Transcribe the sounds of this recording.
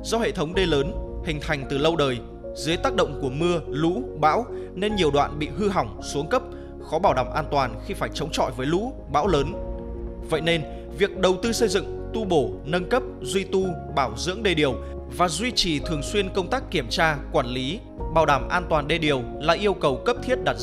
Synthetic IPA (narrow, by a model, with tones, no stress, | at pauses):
zɔ˧hḛ˧˨t̪ʰə˨˦wŋ͡mɗe˧ləː˨˦nhï˨˩ŋt̪ʰa˨˩jŋ̟t̪ɨ˨˩lə˧wɗəː˨˩j | zɨ˨˦jt̪aː˦˥k̚ɗə̰˧˨wŋ͡mku˧˩əmɨ˧əlṵ˧˥ɓa̰ː˧˥w | ne˧nɲi˨˩əwɗwa̰ː˧˨nɓḭ˧˨ɦɨ˧ɦa˨˩wŋ͡msu˨˦əŋkə˦˥p̚ | xɔ˨˦ɓaː˧˩wɗaː˧˩mʔaː˧nt̪waː˨˩nxi˧faː˧˩jt͡ɕə˨˦wŋ͡mt͡ɕɔ̰˧˨jvəː˨˦jlṵ˧˥ | ɓa̰ː˧˥wləː˨˦n | və̰˧˨jne˧n | vi˨˩ək̚ɗə˨˩wt̪ɨ˧sə˧jzɨ̰˧˨ŋ | t̪u˧ɓo˧˩nə˧nkə˦˥p̚zwi˧t̪u˧ɓaː˧˩wzɨ̰˧˥əŋɗe˧ɗi˨˩əw | vaː˨˩zwi˧t͡ɕi˨˩t̪ʰɨ˨˩əŋswi˧ənkə˧wŋ͡mt̪aː˦˥kːi˧˩əmt͡ɕaː˧kwaː˧˩nli˨˦ | ɓaː˨˩wɗaː˧˩mʔaː˧nt̪waː˨˩nɗe˧˩ɗi˨˩əwlaː˨˩ʔi˧əwkə˨˩wkə˦˥p̚t̪ʰi˦˥ət̚ɗaː˨˧˩t̚